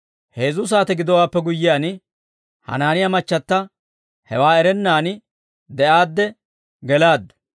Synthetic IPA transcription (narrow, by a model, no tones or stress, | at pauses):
heːzʊs̬aːt̪ɛɡɪd̪ɔwaːpːɛɡʊjːɪjaːnɪ | hɐ̰naːnɪjɐmɐt͡ʃːɐt̪ːɐ | hɛwaːɛɾɛnːaːnɪ | d̪ɛʔaːd̪ːɛ | ɡɛlaːd̪ːɐ̥